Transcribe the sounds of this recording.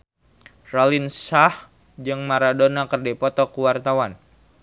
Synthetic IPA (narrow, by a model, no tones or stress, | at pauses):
ralinsah | d͡ʒɨŋmaɾadonakərdɛpɔt̪ɔkuwart̪awan